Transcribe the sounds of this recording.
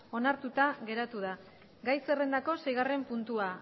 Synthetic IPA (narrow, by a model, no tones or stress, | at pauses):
o̞naɾt̪ut̪aɣe̞ɾat̪uða | ɡajse̞re̞nd̪ako̞se̞jɣare̞mpunt̪ua